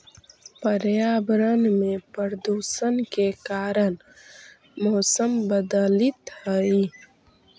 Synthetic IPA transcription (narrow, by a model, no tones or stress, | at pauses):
pəɾjaːbɾənmẽpəɾd̪uːsənkekaːɾən | moːsəmbəd̪əlit̪həi